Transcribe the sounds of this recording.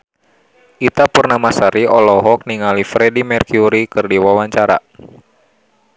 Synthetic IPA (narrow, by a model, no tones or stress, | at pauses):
ʔit̪apurnamasaɾiʔɔlɔɦɔk̚niŋalifɾɛdimɛrkjuɾikɨrdiwawaɲt͡ʃaɾa̰